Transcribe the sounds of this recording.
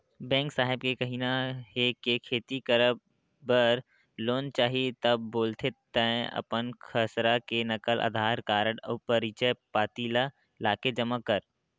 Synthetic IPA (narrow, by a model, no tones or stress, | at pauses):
bɛ̃ːŋksaːɦɪb̚kekəɦinaɦekekʰeːt̪ikəɾəb | bəɾ | loːnt͡ʃaːɦit̪əbːoːlt̪ʰet̪ːə̃ɐ̰pənkʰəsɾakenɐkəlʔa̰ːd̪ʱaːɾkaːɾəɽɔpəɾit͡ʃəpaːt̪ila | laːked͡ʒəmakəɾ